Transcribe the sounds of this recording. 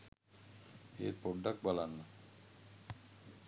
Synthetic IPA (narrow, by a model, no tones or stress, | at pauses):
ḛɾpɔɖak̚balanːa